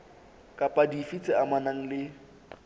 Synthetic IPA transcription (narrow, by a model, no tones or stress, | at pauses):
kʼapʼadifit͡sʼɪamanaŋ̩lɪ